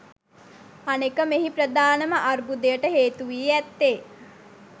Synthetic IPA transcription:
anekəmeɦipɾəd̪aːnəməʔarbud̪ejəʈəɦeːt̪uʋiːæt̪ːe

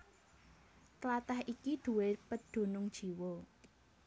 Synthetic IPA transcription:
t̪əlat̪ahʔikid̪̥ṳwepəd̪̥o̤nʊŋd̥ʒ̥i̤wo

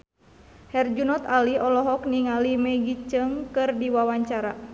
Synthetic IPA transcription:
hɛrd͡ʒunɔt̪aliɔlɔɦɔk̚niŋalimɛɡit͡ʃəŋkɨrdiwawaɲt͡ʃaɾa

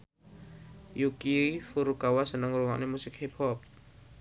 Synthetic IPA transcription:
jukifuɾukawasənəŋruŋa̰ʔnemusɪk̚hepʰɔp̚

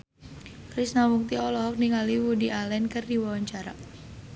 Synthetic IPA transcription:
kɾisnamuk̚t̪iɔlɔɦɔk̚niŋaliwudiʔalɛnkərdiwawaɲt͡ʃaɾa̰

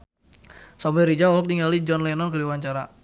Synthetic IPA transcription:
sɔmbɛɾid͡ʒauwɔk̚tiŋalid͡ʒɔnlɛnɔnkədiwaɲt͡ʃaɾa

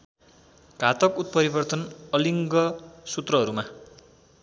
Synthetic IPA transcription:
ɡʱat̪ʌkut̪̚pʌɾibʌrt̪ʌnʌliŋɡʌsut̪rʌɦʌɾuma

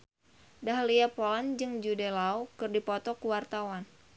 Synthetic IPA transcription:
daɦliapoland͡ʒɨŋd͡ʒudelaukɨrdipɔt̪ɔkuwart̪awan

